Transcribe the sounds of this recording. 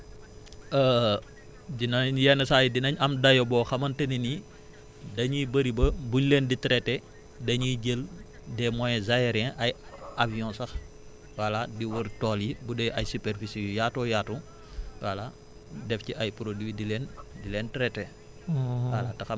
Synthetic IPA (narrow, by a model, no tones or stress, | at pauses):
ə | dinɐɲjɛnɐsajidinɐɲɐmdɐjɔbɔːxɐmɐntɐnini | dɐɲibəɾibɐbuɲleːnditɾɛtɛ | dɐɲiɟəl | dɛmɔjɛzajɛɾɛ̃ʔɐjaviɔ̃ːsɐx | wɐladiwuɾtɔːljibudɛʔɐjsupɛɾfisijujaːtɔːjaːtu | wɐla | dɛfciʔɐjpɾodiidilɛndilɛːntɾɛtɛ | wɐlɐtɐxɐ